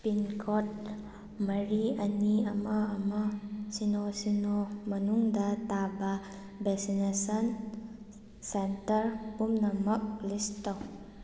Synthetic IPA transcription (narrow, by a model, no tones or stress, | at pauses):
pinkʰot̚ | mɐɾiɐniɐmɐːmɐsinosinomɐnuŋdɐtabɐ | beksinesɐn | sentɐɾpumnɐmɐk̚listaw